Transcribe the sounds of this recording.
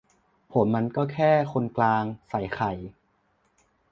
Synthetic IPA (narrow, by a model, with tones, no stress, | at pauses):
pʰo˩˦mːa˧nkɔː˥˩kʰɛː˥˩kʰo˧nklaː˧ŋsa˨˩˦jxʰa˨˩j